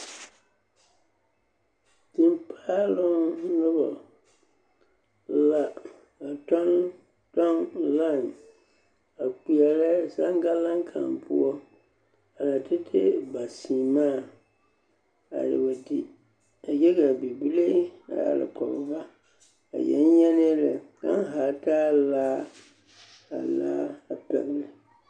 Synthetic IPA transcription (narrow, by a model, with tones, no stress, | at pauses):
tĩ˨mpʰa˦lʊ˦nʊ˦bɔ˨ | la˨ | a˨tɔ˦n | tɔ˦nla˦˨n | a˨k͡pi˨a˨lɛ˦sã˦ŋ˦ɡa˦lã˦ŋ˦kʰã̰˨m˨pʰʊ̰˦ɔ˦ | a˨la˨tʰɪ˦tʰɪ̰˦ba˨si˨maː˦˨ | a̰˨lɪ̰˨ba˨di˨ | a˨jɛ˦ka˨bi˨bi˦le˦a̰˨ja̰˨lɪ̰˨kɔ˨bba˦ | a̰˨jɛ̰˨n˦ɲɛ˦nɪ˦lɛ˨ka̰˦n˦ɦa˨˦taː˦laː˦ | a˨laː˦a˨pɛ̰˨ɡlɪ˨